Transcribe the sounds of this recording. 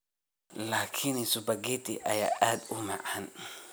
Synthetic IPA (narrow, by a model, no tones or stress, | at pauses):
laːkʰɪnɪsʊbɐɡɛt̪ʰiʔɐ̰ja̰ːʔaːd̪ʊmɑʕɐn